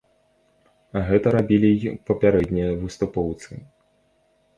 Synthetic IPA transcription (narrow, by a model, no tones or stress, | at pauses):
ɣɛt̪ɐɾabʲilʲipɐpʲaɾɛd̪ʲnʲijɐvɨst̪upɔwt̪sɨ̰